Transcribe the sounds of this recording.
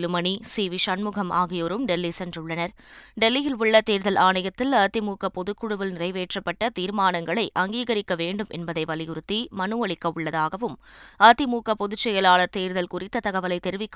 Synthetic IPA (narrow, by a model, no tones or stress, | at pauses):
lɯmɐɳisiːʋɪʂɐnmʊɣɐmʔaːɣɪjoːɾɯmɖɛlːisɛndrɯɭːɐnɐɾ | ɖɛlːɪjɪlʊɭːɐt̪eːɾðɐlʔaːɳɐjɐt̪ːɪlɐt̪ɪmuːkɐpɔðɯkːʊɽɯʋɐlnɪrɐɪʋeːʈrɐpːɐʈːɐt̪iːɾmaːnɐŋɡɐɭɐɪʔɐŋɡiːɣɐɾɪkːɐʋeːɳɖɯmʔɛ̰nbɐðɐɪʋɐlɪjɯɾɯt̪ːimɐnɯʋɐɭɪkːɐʊɭːɐðaːɣɐʋɯmɐt̪ɪmuːkɐpɔðɯt͡ʃːɐjɐlaːɭɐɾt̪eːɾðɐlkʊrɪt̪ːɐt̪ɐɣɐʋɐlɐɪt̪ɛɾɯʋɪkː